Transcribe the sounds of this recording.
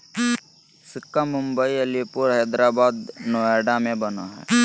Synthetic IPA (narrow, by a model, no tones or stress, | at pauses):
sɪkːamʊ̃mbəiɐlipʊɾɦɛːd̪ɾaːbaːd̪noːɛːɖamẽbɐna̰ɦɛ̰ː